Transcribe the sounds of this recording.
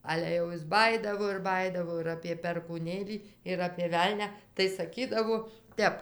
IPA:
ˈɑːlʲɛ jɛʊ ˈjɪs ˈbɑːjiːdɐʋoː ɪr ˈbɑːjiːdɐʋoː ɪr ɐpʲeː pʲɛrkuːˈnʲeːlʲiː ɪr ɐpʲeː ˈʋʲɛlʲnʲɛ tɐɪ sɐˈkʲiːdɐʋoː ˈtʲɛp

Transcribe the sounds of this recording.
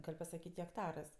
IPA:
ˈɡɐlʲ pɐsɐˈkʲiːtʲ ɣʲɛkˈtɑːrɜs

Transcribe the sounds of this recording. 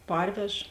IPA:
ˈpɐrʲʋʲɛʃ

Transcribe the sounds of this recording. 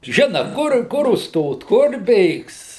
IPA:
ˈʒʲɪnɐ ˈkʊr ˈkʊr ʊʃˈstoːt ˈkʊr ˈbʲeːks

